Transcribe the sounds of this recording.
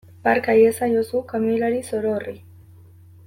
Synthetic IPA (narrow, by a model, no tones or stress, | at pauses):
paɾkajesajosukamilaɾisoɾori